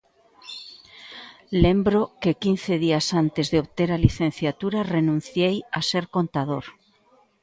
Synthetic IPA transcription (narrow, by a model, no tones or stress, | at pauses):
lẽmbɾokekin̟θeð̞iasant̪ezðeoβt̪eɾaliθẽn̟θjat̪uɾarenũn̟θjejaseɾkont̪aðoɾ